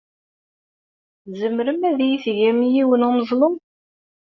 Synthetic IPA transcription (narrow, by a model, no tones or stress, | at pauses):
zəmɾəmæðjiθʝæmijiwənʊməzˤlˤom